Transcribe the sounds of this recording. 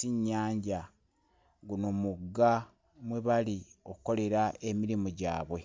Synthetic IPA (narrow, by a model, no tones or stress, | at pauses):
siɲːaːɲɟa | ɡunomuɡːa | mweβalio̞ku̥ko̞le̞ɾaʔemiɾimoɟa̰ːβwe̞